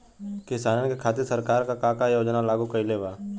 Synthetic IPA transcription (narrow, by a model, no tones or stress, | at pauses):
kɪsaːnəkekʰaːt̪̬ɪɾsəɾkaːɾkakaːkajoːd͡ʒnalaːɡukəileːʋaː